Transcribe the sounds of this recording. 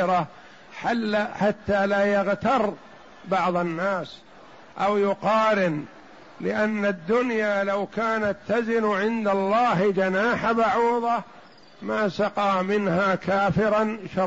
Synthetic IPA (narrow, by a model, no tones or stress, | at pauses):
ɾa | ħalːħat̪ːaːlaːjaɣt̪ɑrˤ | bɑʕðˤɑnːaːs | ʔawjʊqɑːɾɪn | lɪʔanːad̪ːʊnjaːlawkaːnat̪ːazɪnʕɪnd̪alˤːɑːɦd͡ʒanaːħabaʕuːðˤɑ | maːsɑqɑːmɪnhaːkaːfɪɾanʃɑ